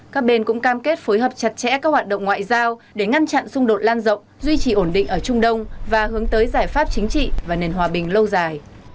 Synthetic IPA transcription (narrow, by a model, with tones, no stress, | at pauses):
kaː˦˥k̚ɓe˧nkʊ̰˧˥ŋ͡mkaː˧mke˦˥t̚fo˨˦jɦəː˨˩p̚t͡ɕa˨˩t̚t͡ɕɛ̰˧˥kaː˦˥k̚hwaː˨˩t̚ɗə̰˧˨wŋ͡mŋwa̰ː˧˨jzaː˧wɗe˧˩ŋa˧nt͡ɕa̰˧˨nsʊ˧ŋ͡mɗo˨˩t̚laː˧nzə̰˧˨wŋ͡mzwi˧t͡ɕi˧˨˩ʔo˧˩nɗḭ̈˧˨ŋ̟ʔəː˧˩t͡ɕʊ˧ŋ͡mɗə˧wŋ͡mvaː˨˩hɨ˨˦əŋt̪əː˨˦jzaː˧˩jfaː˦˥p̚t͡ɕï˨˦ŋ̟t͡ɕḭ˧˨vaː˨˩ne˨˩nɦwaː˨˩ɓï˨˩ŋ̟lə˧wzaː˨˩j